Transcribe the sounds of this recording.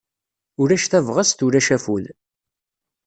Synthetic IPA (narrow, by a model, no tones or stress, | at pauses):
ʊɾæʃθævʁasθʊɾæʃæful